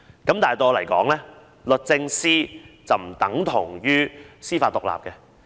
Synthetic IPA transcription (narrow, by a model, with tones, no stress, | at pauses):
kɐ˨˥mt̪aː˨jt̪ɔː˧lɐ˨˩jkɔ̰ː˨˥ŋlɛː˥ | lɵ˨t̚t͡sɪ˧ŋsiː˥t͡sɐ˨wm̩˨˩t̪ɐ˨˥ŋt̪ʰʊ˨˩ŋjyː˥siː˥faː˧t̪ʊ˨k̚la̰ː˨p̚kɛ˧